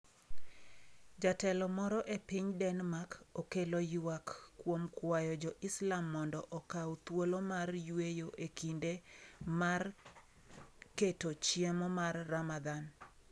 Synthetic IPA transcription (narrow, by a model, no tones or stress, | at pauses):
d͡ʒatɛlɔmɔɾɔʔepiɲdɛnmakokelojwakːwomkwajɔd͡ʒɔʔɪslamːɔndɔʔɔkawt̪wolomarjwejoʔekindemar | ketot͡ʃjemɔmarːamad̪an